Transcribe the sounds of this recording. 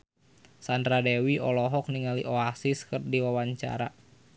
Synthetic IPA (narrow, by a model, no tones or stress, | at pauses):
sandɾadewiɔlɔɦɔk̚niŋaliʔɔasiskɨrdiwawaɲt͡ʃa̰ɾa̰